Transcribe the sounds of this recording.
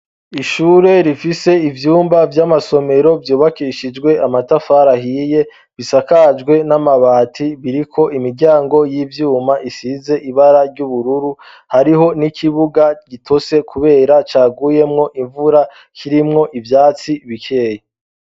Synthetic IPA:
iʃuːɾe̞ɾifise̞ivjuːmbavjamaso̞me̞ɾo̞vjuːβakiʃid͡ʒɡwe̞amatafaɾaɦiːje̞ | βisakad͡ʒɡwe̞namaβaːtʰiβiɾikʰo̞ʔimiɾɟaːŋɡo̞jiːvjuːmaʔisize̞ʔiβaɾaɾɟuβuɾuɾu | haɾiɦo̞nikʰiβuɡaɟitʰo̞se̞kʰuβe̞ːɾat͡ʃaːɡuje̞mŋo̞ʔiɱvuɾa | kʰiɾimŋo̞ʔivjaːt͡siβikʰeːje

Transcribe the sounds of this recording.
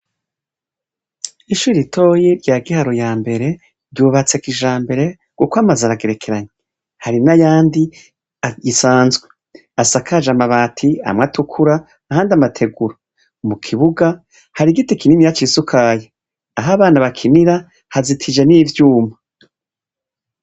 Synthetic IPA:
iʃuːɾitʰo̞ːjeɾɟaːɡihaɾojaːmbe̞ɾe̞ | ɾɟuːβat͡sekiʒaːmbe̞ɾe̞ | ɡ̥ukwamazaɾaɡe̞ɾekʰe̞ɾaɲe | haɾinajaːndi | aisaːnzɡwee | asakad͡ʒamaβatʰia̰mŋatukʰuɾaː | haːndamatʰe̞ɡuɾo | mukʰiβuɡa | haɾiɡitekininijat͡ʃiːsukʰaːje | aɦaβaːnaβakʰiniɾa | hazitʰid͡ʒeniːvjuːma

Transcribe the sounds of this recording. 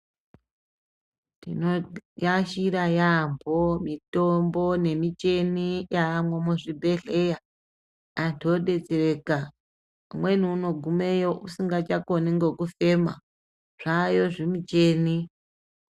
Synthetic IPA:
tḭnojaʃiɾajambʱomitombo̞ne̞mit͡ʃe̞nijaːmwemuʐibʱe̞ɬe̞jaː | ntʰoɗe̞d͡zereka | mwe̞niːno̞ɡʱume̞joʔusiŋɡat͡ʃakoniŋɡo̞kufe̞ma̰ | ʐ̥ajo̞ʐimit͡ʃeːni

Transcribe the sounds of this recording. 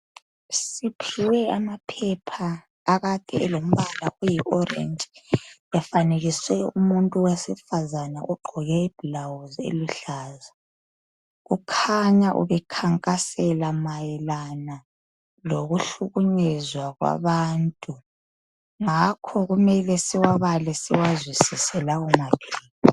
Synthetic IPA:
sipʰiwɛamapʰɛpʰaː | ɣatʼɛ̰ɛlom̩βalaujiʔɔrɛ̰nd͡ʒʱ | ɛfaneɣiswɛumuntʼuwesifazanaʔuɡ͡ǃʱɔɣɛib̥ilawuzḛluɬaːza | ɣukʰaɲaʔṵβɛkʰaŋkʼasɛlamajɛlana | loɣuɬuɣuɲɛzwaɣwa̰βaːntʼu | ŋakʰɔɣumɛlɛsiwaβalɛsiwazwisisɛlaumaɡ̥iːkɔ

